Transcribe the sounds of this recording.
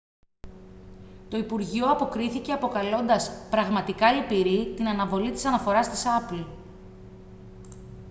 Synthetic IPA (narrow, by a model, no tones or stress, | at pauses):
t̪o̞ipuɾʝio̞ɐpo̞kɾiθice̞ɐpo̞kɐlo̞nd̪ɐspɾɐɣmɐt̪ikɐlipiɾit̪inɐnɐvo̞lit̪i̥sɐnɐfo̞ɾɐst̪isɐpl